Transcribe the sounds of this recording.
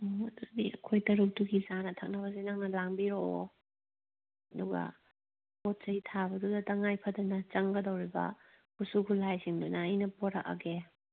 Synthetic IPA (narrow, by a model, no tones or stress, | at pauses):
ɐd̪udiɐ̰kʰojtɐɾuk̚duɡizanɐtʰɐk̚nɐβɐzenɐŋnɐlaŋbiɾoo | ɐduɡɐ̰ | pot̚t͡ʃɐitʰabɐdudɐtɐŋajpʰɐdɐnɐt͡ʃɐŋɡɐdɐwɾibɐ̰ | husukʰulajsiŋdunɐːjnɐpoɾɐʔɐ̰ɡe